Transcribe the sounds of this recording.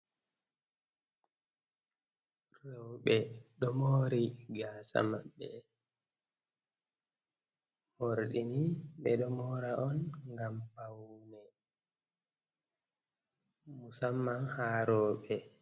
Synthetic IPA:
rɔwɓɛɗɔmoɾiɡaːsa̰maɓːɛ | hoɾɗiniɓɛɗɔmɔɾaʔɔnŋɡampawnɛ | musamːahaɾɔːɓɛ

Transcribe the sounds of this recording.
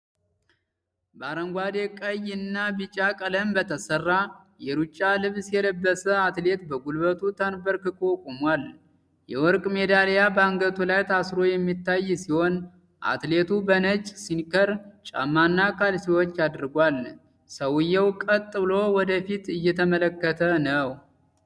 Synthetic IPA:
bəaɾəŋɡʷad̪ekʼəjɨnːabɨt͡ʃʼakʼələmbət̪ʰəsərːa | jɛɾut͡ʃʼːalɨβsjɛləbːəsəat̪le̞t̪bəɡulbət̪ʰut̪ʰənbəɾkɨkʼokʼomwal | jɛ̰wɔɾkʼme̞d̪aljabaŋɡət̪ʰulajt̪ʰasɾo̞jɛmːit̪ːajːsiho̞n | ʔa̰t̪le̞t̪ubənət͡ʃʼːsinkʰəɾt͡ʃʼa̰mːanːakʰalsiwot͡ʃːad̪ɾɡʷal | səwjːɛwkʼət̪ʼːɨɨlo̞wɔd̪əfit̪ɨjːɛt̪ʰəmələkːət̪ʰənəw

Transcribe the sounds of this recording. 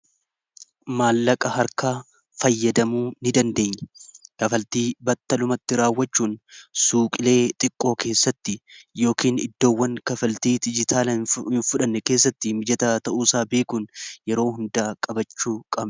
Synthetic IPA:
maːlːɐkʼɐɦɐɾkaː | fɐjːɐd̪ɐmuːnɪd̪ɐnd̪e̞ːɲːɛ̥kɐfɐlt̪iːbɐt̪ːɐlʊmɐt̪ːɪɾaːwːɐt͡ʃːuːnsuːkʼɪle̞ːt̪ʼɪkʼːo̞ːke̞ːsːɐt̪ːɪjo̞ːkiːnɪ̰d̪ːo̞ːwːɐŋkɐfɐlt̪iːd̪ɪd͡ʒɪt̪ʰaːlɐhɪnfʊᶑɐnːɛke̞ːsːɐt̪ːɪmɪd͡ʒɐt̪aːt̪ɐʔuːsaːbe̞ːkuːnjɛɾo̞ːɦʊnd̪aːkʼɐbɐt͡ʃːuːkʼɐb

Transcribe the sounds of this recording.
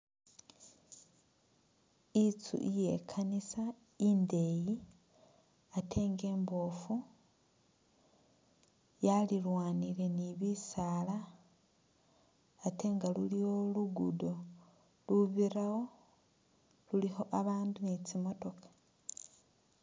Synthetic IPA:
it͡sṵʔije̞̰kʰanisa | inde̞ji | atʰe̞ːŋɡe̞ːmbo̞fu | jalilwaːnile̞niβisala | te̞ːŋɡalulijo̞luɡudo̞ | luβirawo̞ | luliho̞ʔaβaːndunit͡simo̞to̞kḁ

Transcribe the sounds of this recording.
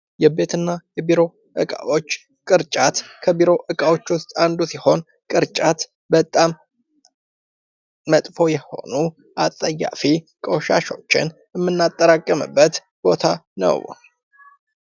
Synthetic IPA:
jɛbe̞t̪ʰɨnːajɛbiɾo̞ | ʔɨ̰kʼa̰ʔo̞t͡ʃː | kʼɨɾt͡ʃʼat̪kʰəbiɾo̞ʔɨkʼawot͡ʃːwʊst̪ʼand̪usiho̞n | kʼɨɾt͡ʃʼat̪ | bət̪ʼːam | ət̪ʼfo̞jɛho̞nu | ʔat̪ʼːəjːa̰fi | kʼoʃa̰ʃo̞t͡ʃːɪ̰njɛmːɨnːat̪ʼːəɾakʼːəmɨ̰bːət̪ | b̥o̞t̪ʰanə̰w

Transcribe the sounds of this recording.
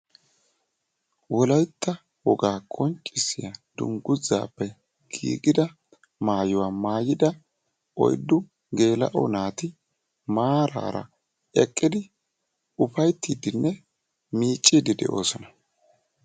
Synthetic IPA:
wɔlɐjt̪ːɐ | wɔɡaːkʰʼɔnt͡ʃʼːɪsːɪjad̪ʊ̰ŋɡʊza̰ːpːɛ | ɡ̥ḭːɡɪd̪ɐ | maːjʊwaːmaːjɪd̪ɐ | ʔɔ̰jd̪ːʊ | ɡe̞ːlɐ̰ʔɔ̰naːt̪ɪ | maːɾa̰ːɾɐ̰ | ɛkʼːɪd̪ɪ | ʊfɐjt̪ːiːd̪ɪnːɛ | miːt͡ʃʼːiːd̪ɪd̪ɛ̰ʔo̞ːsɔnɐ

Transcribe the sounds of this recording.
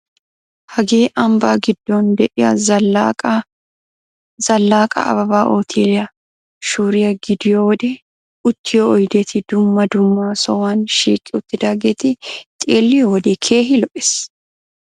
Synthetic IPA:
hɐɡeːʔɐmbaːɡɪd̪ːoːnd̪ɛʔɪjɐ | z̥ɐlːaːkʼɐ̰ɐ̰bɐbaːʔoːt̪ʰiːlɪjɐ | ʃuːɾɪjɐɡɪd̪ɪjoːwɔd̪ɛ | ʊt̪ːɪjoːʔɔjd̪eːt̪ʰɪd̪ʊmːɐd̪ʊmːaːsɔwaːnʃiːkʼːɪʊt̪ːɪd̪aːɡeːt̪ɪt̪ʼeːlːɪjowɔd̪ekʰe̞ːɦɪlɔʔʼɪs

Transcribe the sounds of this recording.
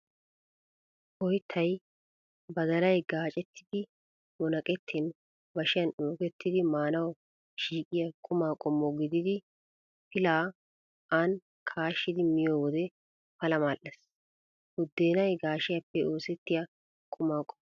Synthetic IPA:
ʔɔjɪt̪ʰːɐj | bɐd̪ɐlɐjɡaːt͡ʃʼɛt̪ʰːɪ̥d̪ɪ | wɔnɐkʼɛt̪ʰːɪn | bɐʃɪjɐnoːkɛt̪ːɪd̪ɪmaːnɐw | ʃiːkʼɪjɐkʼʊmaːkʼɔmːɔɡɪd̪ɪd̪ɪ | pɪlaː | ʔɐn | kʰaːʃːɪd̪ɪmɪjoːwɔd̪ɛ | pɐlɐmaːlʔːɛs | ʊd̪ːe̞ːnɐjɡaːʃɪjɐpːɛo̞ːsɛt̪ːɪjɐ | kʼʊmaːkʼɔ̥m

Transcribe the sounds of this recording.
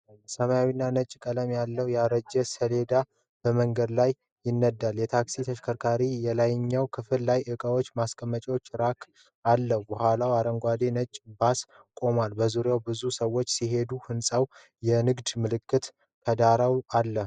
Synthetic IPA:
səmajawinːanət͡ʃʼːkʼələmjalːəwjaɾəd͡ʒɛsəle̞d̪a | b̥əməŋɡəd̪lajː | ɪnːəd̪ːaljɛt̪ʰaksit̪ʰəʃkʰəɾkʰaɾijɛlajɪɲːawkʰɨfɨllajʔɨkʼəwo̞t͡ʃːmaskʼəmːət͡ʃʼwot͡ʃːɾakʰ | alːəhubəhʷwalawaɾəŋɡʷad̪enət͡ʃʼbas | kʼo̞malbəzuɾjawbɨzusəwo̞t͡ʃːsiɦe̞d̪uhɨnsʼaw | jɛnɨɡd̪mɨlɨkːɨt̪ | k̪ʰəd̪aɾawalːə

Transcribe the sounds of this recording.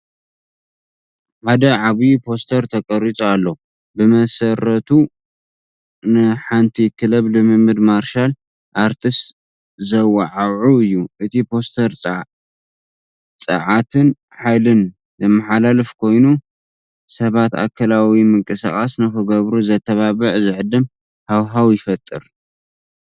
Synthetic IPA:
ħad̪ɐʕaβipʰo̞st̪ʰɐɾt̪ʰɐkʼɐɾit͡sʼoalːo | bɨmɐsɐɾɐt̪ʰu | nɨħant̪ʰikʰɨlɐβlɨmɨmːɨd̪maɾʃal | ʔaɾt̪ʰɨst̪ | zɐwɐʕawʕuɨjːuʔɨt̪ʰipʰo̞st̪ʰɐɾʼ | t͡sʼɐ̰ʕat̪ʰɨn | ħajlɨn | zɐmːaħalalɨfkʰo̞jnu | sɐβat̪a̰kʰːɐlawimɨŋkʼɨsa̰χʼasnɨxɨɡɐβɾuzɐt̪ʰːɐβaβɨʕzɨʕɨd̪ːɨm | hawɦawjɪfɐt̪ʼːɨɾ

